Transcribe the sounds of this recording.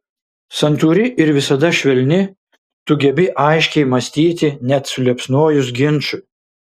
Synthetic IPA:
sɐnt̪uːɾʲɪʔɪɾʋʲɪsɐd̪ɐʃʲʋʲɛlʲnʲɪ | t̪ʊɡʲɛbʲɪʔɐɪʃʲkʲɛɪmɐsʲt̪ʲiːt̪ʲɪnʲɛt̪sʊlʲɛpsnoːjʊs̬ɡʲɪnˑt͡ʃʊ

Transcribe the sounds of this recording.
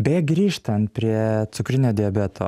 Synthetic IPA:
bʲeːɡɾʲiːʃt̪ɐnt̪̚pʲɾʲiɛt̪sʊkɾʲɪnʲoːd̪ʲɪɛbʲɛːt̪ʰo̰ː

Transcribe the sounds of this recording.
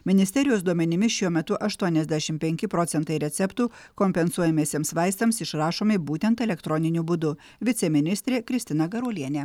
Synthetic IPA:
mʲɪnʲɪsʲt̪ʲɛɾʲɪjoːsd̪uɔmʲɛnʲɪmʲɪʃʲuɔmʲɛt̪ʊʔɐʃt̪uɔnʲɛzʲd̪ʲæʃʲɪmpʲɛŋʲkʲɪpɾɔt̪sʲɛnt̪ɐɪɾʲɛt̪sʲɛpt̪uː | kɔmʲpʲɛnsuɔjɛmʲeːsʲieːmsʋɑɪst̪ɐmsɪʃɾɑːʃoːmʲɪbuːt̪ʲɛnt̪ɛlʲɛkt̪ɾɔnʲɪnʲuːbʊd̪ʊ | ʋʲɪt̪sʲɛmʲɪnʲɪsʲt̪ʲɾʲeːkɾʲɪsʲt̪ʲɪnɐɡɐɾuːlʲiɛnʲeː

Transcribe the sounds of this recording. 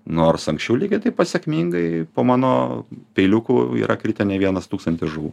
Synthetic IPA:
noːrsɐŋksʲt͡ʃʲɛʊlʲiːɡʲɪt̪ɐɪpɐsʲɛkmʲiŋɡɐɪpoːmɑːnoːpʲɛɪlʲʊkuḭːɾʔɐkɾʲɪt̪ʲɛnʲɛʋʲiɛnɐst̪uːkst̪ɐnʲt̪ʲɪsʒʊʋṵː

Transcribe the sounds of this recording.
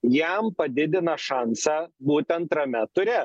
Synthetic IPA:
jɛmpɐd̪ʲɪd̪ʲɪnɐʃɑnsɐbuːt̪ʲɐnt̪ɾɐmʲɛt̪ʊɾʲeː

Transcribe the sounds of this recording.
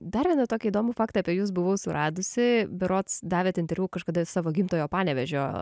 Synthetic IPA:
d̪ɐɾʋʲiɛnɐt̪oːkʲiːd̪oːmʊfɑːkt̪ɐɐpʲɛjuːs̬bʊʋɐʊsʊrɑːd̪ʊsʲɪbʲɛɾoːt̪sd̪ɑːʋʲɛt̪ɪnʲt̪ʲɛɾʲʋʲuːkɐʃkɐd̪ɐsɑːʋoːɡʲiːmt̪oːjoːpɑːnʲɛʋʲɛʒʲoː

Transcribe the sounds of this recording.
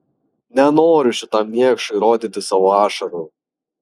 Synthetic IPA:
nʲɛnoːɾʲʊʃʲɪt̪ɑmmʲiɛkʃɐɪɾoːd̪ʲɪt̪ʲɪsɑːʋoɑːʃɐɾʊ

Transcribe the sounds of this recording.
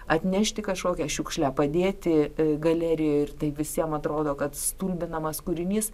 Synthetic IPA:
ɐt̪ʲnʲæʃʲt̪ʲɪkɐʃkoːkʲɛʃʲuːkʃʲlʲæːpɐd̪ʲeːt̪ʲɪɡɐlʲæːɾʲɪjoːɪrt̪ɐɪʋʲɪsʲiɛmɐt̪ɾoːd̪oːkɐt̪st̪uːlʲbʲɪnɐmɐskʊɾʲɪnʲiːs

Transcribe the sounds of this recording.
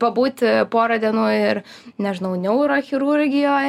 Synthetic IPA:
pɐbuːt̪ʲpoːɾɐd̪ʲiɛnuːɪɾ | nʲɛʒɪnɐʊnʲɛʊɾoːxʲɪɾuɾʲɡʲɪjoːj

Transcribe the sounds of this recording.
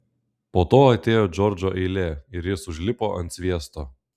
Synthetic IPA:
poːt̪oːɐt̪ʲeːjoːd͡ʒʲɔɾd͡ʒʲoʔɛɪlʲeːɪɾjɪsʊʒʲlʲɪpoːʔɐnt̪sʲʋʲiɛst̪oː

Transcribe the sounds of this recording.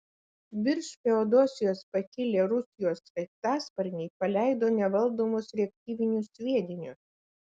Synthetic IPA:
ʋʲɪɾʲʃfʲɛɔd̪oːsʲɪjoːspɐkʲɪlʲeːɾʊsʲɪjoːsɐt̪æːspɐɾʲnʲɛɪpɐlʲæˑɪd̪oːnʲɛʋɐlˠd̪oːmoːsɾʲɛk̚ʲt̪ʲiːʋʲɪnʲʊsʲʋʲiɛd̪ʲɪnʲʊs

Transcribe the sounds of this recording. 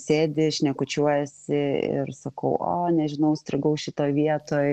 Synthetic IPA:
sʲeːd̪ʲɪʃʲnʲɛkʊt͡ʃʲuɔjɛsʲɪɪ̰ɾsɐkɐʊʔo̰ːnʲɛʒʲɪnɐʊsʲt̪ʲɾʲɪɡɐʊʃʲɪt̪oːjʋʲiɛt̪oːj

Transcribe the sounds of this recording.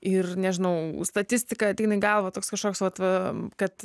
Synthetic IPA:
ɪrnʲɛʒʲɪnɐʊst̪ɐt̪ʲɪsʲt̪ʲɪkɐt̪ʲɪnɐɪɡɐlˠʋɐt̪oːkskɐʃkoːksʋɐt̪ʋɐkɐt̪

